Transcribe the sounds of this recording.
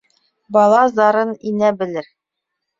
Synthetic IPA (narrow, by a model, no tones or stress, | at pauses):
bɑlˠɑzd̪ɑɾɤninæbɘ̆lɘɾ